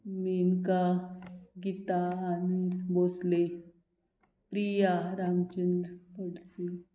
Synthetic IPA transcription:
minka | ɡit̪aːnəd̪bosle | pɾijaɾamt͡ɕənd̪ɾəpəɽt͡se

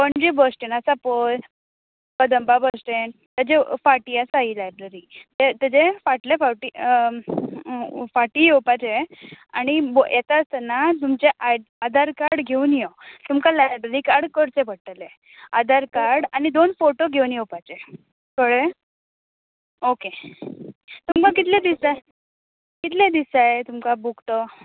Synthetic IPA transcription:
pəɳd͡ʑibəsʈenasapəl | pəd̪əmbabəsʈen | t̪ad͡ʑefaʈiasaiːlajbɾeɾit̪et̪əd͡ʑefaʈlefaʈi | faʈiːjɛwpat͡ɕea̰ɽ̃ibjʔet̪ast̪ənat̪umt͡ɕeʔaad̪ʱaɾkaɾɽɡʱeuːnjɔt̪umkalaɖəɾikaɾɽkəɾt͡sebəɽʈale | ad̪ʱaɾkaɾɽañid̪onfoʈoɡʱeunjewpat͡ɕe | kəɽe | oke | t̪umkakit̪lẽd̪isa | kit̪lẽd̪isaet̪umkabukt̪ɔ

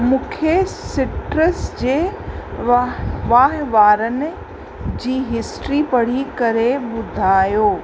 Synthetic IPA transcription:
mũːkʰesɪʈɾəsd͡ʑeː | ʋaːɦʋaːɾənɪ̆ | d͡ʑiːɦɪsʈɾipɐɽ̤ikɐɾebʊd̪ʱaːjoː

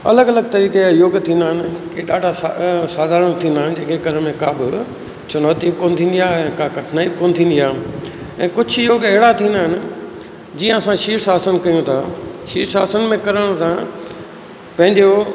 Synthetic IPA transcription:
ɐ̰ləɡɐləɡ̚t̪ɐɾiːkeajoːɡt̪ʰĩːnd̪aːɦɪnɪkeɗaːɖʱasaːd̪ʱaːɾə̃ɽ̃t̪ʰĩːnd̪aːɦɪn̆d͡ʑẽːkʰeɡɐɾmẽkaːbɪ | t͡ɕʊnoːt̪iːbkoːnɪt̪ʰĩːn̆d̪ijaːɛ̃ːkakɐʈʰnaːib̚koːnɪ̆t̪ʰĩːn̆d̪ijaː | ɛ̃ːkʊd͡ʑʰjoːɡɐɦɪɽat̪ʰĩːnd̪aːɦɪnɪ̆ | d͡ʑijə̃ɐsãʃiːɾsaːsənkɐjõt̪ʰaːʃiːɾsaːsənmẽkɐɾəɽ̃t̪ʰa | pɐ̃ɦɪ̃ɲd͡ʑo

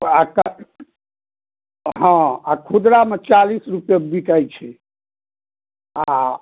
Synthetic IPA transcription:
ak | ɦə̃akʰud̪ɾamet͡ʃalisɾupjebiʈajt͡ʃʰɛ | a

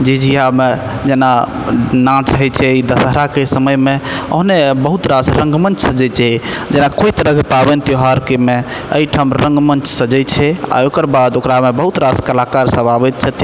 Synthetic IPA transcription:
d͡ʒed͡ʒiɦame | d͡ʒena | nãt͡ʃɦəjt͡ʃʰɛid̪əsəɦɾakesəməjmeə̰ɦnebəɦut̪ɾasɾə̃ŋɡmənt͡ʃsəd͡ʒɛt͡ʃʰɛd͡ʒenakojt̪ɾəɡʱpabent̪joɦaɾkeme | əiʈʰamɾə̃ŋɡmənt͡ʃsəd͡ʒɛjt͡ʃʰɛa̰okəɾbad̪okɾamebəɦut̪ɾaskəlakaɾsə̃babɛt̪̚t͡ʃʰɛt̪

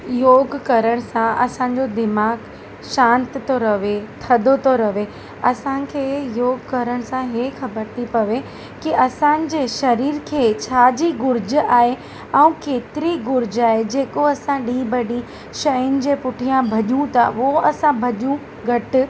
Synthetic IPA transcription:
joːɡkɐɾəɽ̃sãɐ̰sãɲ̆d͡ʑod̪ɪmaːɡ | ʃãːnt̪ɪt̪oɾɐʋet̪ʰɐd̪ot̪ʰoɾɐʋe | ɐsãkʰeːjoːɡkɐɾəɽ̃sãɦeːxɐbəɾt̪ʰipɐʋe | kiʔɐsãnɪ̆d͡ʑeːʃɐɾiːɾkʰeːt͡ɕʰaːd͡ʑiɡʊɾd͡ʑaːɦe | ɐũkeːt̪ɪɾiɡʊɾd͡ʑaːɦed͡ʑeːkoɐsãɗĩːbɐɗĩ | ʃɐjʊnɪ̆d͡ʑeːpʊʈʰijãbʱɐʄũt̪a̰ʊoɐsãbʱɐʄũ | ɡʱɐʈɪ̆

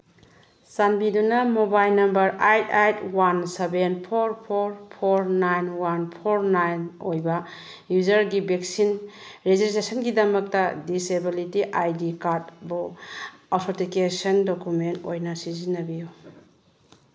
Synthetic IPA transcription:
sanbidunɐmobajlnɐmbɐɾajtajtʰwansebenpʰoɾpʰoɾpʰoɾnajnwanpʰoɾnajnojbɐ | juzɐɾɡibek̚sinɾezistesɐnɡidɐmɐk̚tɐdisebilitiʔajdikaɾt̚buatʰotikesɐndokumentojnɐsizinːɐbiju

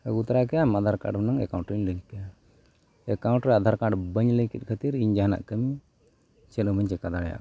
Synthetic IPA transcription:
əɡut̪ɾakɛjamad̪ʱaɾka̰ɖmnaŋɛ̰kaw̃ɳʈɾiɲləɡit̪̚kja | ɛkawɳʈɾɛad̪ʱaɾkaɖbəɲləkit̪̚ˀkʰət̪iɾiɲd͡ʒaɦana̰ʔkəmi | t͡ʃɛnubʱəɲt͡ʃɛkad̪aɽɛja̰ʔ

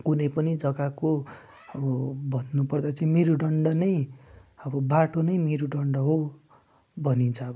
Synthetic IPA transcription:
kunʌjpʌnid͡zʌɡako | ʌbʌbʱʌnːupʌrd̪at͡sʌĩmeɾuɖʌɳɖʌnʌjʌbʌbaʈonʌjmeɾuɖʌɳɖʌɦo | bʱʌnint͡sʰʌːbʌ

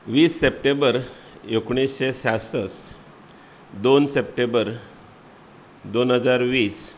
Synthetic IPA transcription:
ʋiːsːep̚ʈembəɾekɳ̃esɕesasəs | d̪onsepʈembəɾ | d̪onɦəd͡zaɾʋiːs

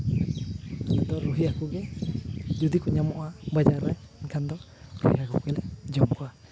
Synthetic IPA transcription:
nad̪ɔɾuɦiakuɡɛ | d͡ʒɔd̪ikuɲamɔʔabad͡ʒaɾajinkʰand̪ɔ | ɾṵhiakʰṵkɛlɛd͡ʒɔmkʰɔwa

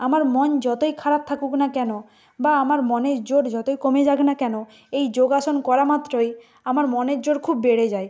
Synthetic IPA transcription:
amaɾmɔnd͡ʑɔt̪ojkʰaɾap̚t̪ʰakuknakɛno | baamaɾmɔneɾd͡ʑoɽd͡ʑɔt̪ojkomed͡ʑaɡnakɛno | ejd͡ʑoɡaʃonkɔɾamat̪ːɾoj | amaɾmɔneɾd͡ʑoɽkʰubːeɽed͡ʑaj

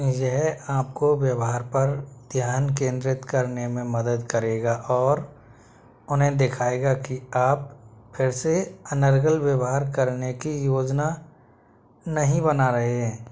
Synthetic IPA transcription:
jəɦaːp̚kowjəwɦaːɾpəɾd̪ʱjaːnk̬ẽːnd̪ɾɪt̪kəɾnemẽməd̪əd̪kəɾeːɡaʔɔːɾ | ʊnɦẽd̪ekʰaːeːɡakiaːppʰɪɾseənəɾɡəlwjəwɦaːɾkəɾnekijoːd͡ʒna | nɐɦĩbənaɾɐɦeɦɛ̃ː

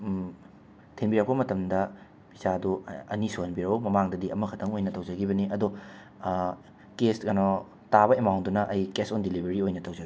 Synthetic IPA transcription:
tʰenbiɾɐk̚pɐmɐtɐmdɐ | pisaduɐ̰nisuhɐnbiɾɐwmɐmaŋdɐdiɐmɐkʰɐtʰɐŋojnɐtɐwd͡ʒɐɡibɐniʔɐdu | kesɡɐnɔ | tabɐemawndunɐʔɐjkesondilibɐɾiojnɐtɐwzɐɡi

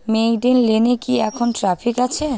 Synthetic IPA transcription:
mejɖenlenekiɛkʰonʈɾafʰikat͡ɕʰe

